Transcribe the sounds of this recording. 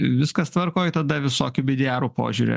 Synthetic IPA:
ʋʲɪskɐst̪ʋɐɾkoːɪt̪ɐd̪ɐʋʲɪsoːkʲʊbʲɪd̪ʲæːɾupo̰ːʒʲuːɾʲḛ

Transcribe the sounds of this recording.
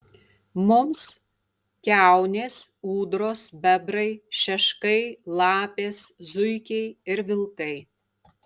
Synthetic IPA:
mʊms | kʲæˑʊnʲeːsuːd̪ɾoːsbʲɛbɾɐɪʃʲɛʃkɐɪlˠɑːpʲeːszʊɪkʲɛɪɪɾʋʲɪlˠkɐɪ

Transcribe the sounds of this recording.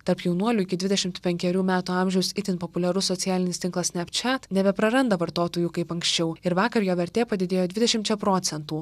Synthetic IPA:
t̪ɐɾpjɛʊnuɔlʲuːɪkʲɪd̪ʲʋʲɪd̪ʲɛʃʲɪmt̪pʲɛŋʲkʲɛɾʲuːmʲæːt̪uːɑˑmʲʒʲɛʊsɪt̪ʲɪnpopʊlʲɛɾʊsːɔsʲɪjæːlʲɪnʲɪst̪ʲɪŋklˠɐssʲnʲɛpt͡ʃʲɛt̪nʲɛbʲɛpɾɐɾɐnd̪ɐʋɐɾt̪oːt̪oːjuːkɐɪpɐŋksʲt͡ʃʲɛʊɪɾʋɑːkɐɾjoːʋʲɛɾʲt̪ʲeːpɐd̪ʲɪd̪ʲeːjoːd̪ʲʋʲɪd̪ʲɛʃʲɪmt̪t͡ʃʲɛpɾoːt̪sʲɛnt̪uː

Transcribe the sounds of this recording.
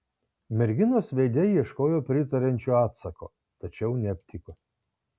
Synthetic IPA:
mʲɛɾʲɡʲɪnoːsʋʲeːd̪ʲɛjiɛʃkoːjoːpʲɾʲɪt̪ɐɾʲɛnʲt͡ʃʲuːɑːt̪sɐko̰ː | t̪ɐt͡ʃʲɛʊnʲɛɐpʲt̪ʲɪko

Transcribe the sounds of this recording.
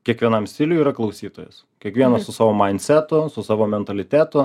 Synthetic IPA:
kʲiɛkʋʲiɛnɐmsʲt̪ʲɪlʲʊjiːɾɐklˠɐʊsʲiːt̪oːjɛs | kʲiɛkʋʲiɛnɐssʊsɑːʋoːmɐɪnʲt̪ʲsʲæt̪ʊsʊsɑːʋoːmʲɛnt̪ɐlʲɪt̪ʲæːt̪ʊ

